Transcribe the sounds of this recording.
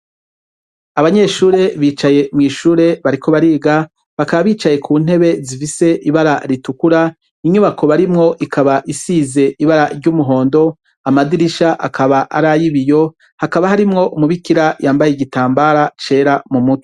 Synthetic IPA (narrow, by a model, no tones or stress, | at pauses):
aβaɲe̞ʃuːɾe̞βiːt͡ʃaje̞mŋiːʃuːɾe̞βaɾiko̞βaɾiːɡa | βakaβaβiːt͡ʃaje̞kʰuːn̥he̞βe̞zifise̞ʔiβaɾaɾitukuɾa | iɲuβakʰo̞βaɾimŋo̞ʔikʰaβaʔisiːze̞ʔiβaɾaɾɟumuɦo̞ːndo̞ | amadiɾiʃaʔa̰kʰaβaʔaɾajiβijo̞ | hakaβahaɾimŋo̞ʔumuβikiɾajaːmbajeiɡitaːmbaɾat͡ʃe̞ːɾamumutʰo̥